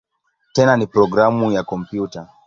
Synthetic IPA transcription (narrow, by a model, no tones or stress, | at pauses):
tɛnanipɾɔɡɾamujakɔmpjuta